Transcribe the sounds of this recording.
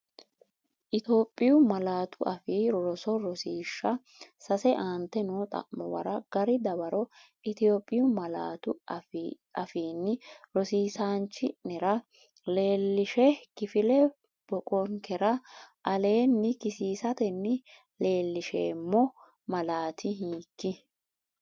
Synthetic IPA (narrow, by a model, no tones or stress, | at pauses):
ʔɪt̪o̞ːpʼːɪjʊmɐlaːt̪ʰʊʔɐfiːɾɾɔsɔɾɔsiːʃːɐ | sɐsɛʔaːnt̪ːɛnoːt̪ʼɐ̰ʔːɔ̰bɐ̰ɾɐɡ̥ɐɾɪd̪ɐbɐɾɔ | ʔɪt̪ɪjo̞ːpʼːɪjʊmɐla̰ːt̪ʊ | ʔɐfiːnːɪɾɔsiːsaːnt͡ʃːɪnːɛɾɐ | leːlːɪʃɛkɪfɪlɛ | b̥ɔkʼɔŋkɛɾɐʔɐle̞ːnːɪkɪsiːsɐt̪ɛnːɪ | le̞ːlːɪʃḛːmːɔ | mɐlaːt̪ʰɪɦiːkːɪ